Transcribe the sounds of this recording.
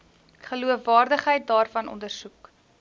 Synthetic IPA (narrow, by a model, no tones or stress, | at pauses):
χəluəfvɑːrdəχɦəjt̚dɑːrfɐnʔɔ̰ndərsuk